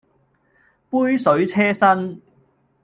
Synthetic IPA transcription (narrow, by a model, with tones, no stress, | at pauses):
puː˥jsɵ˨˥ɥt͡sʰɛː˥sɐ˥n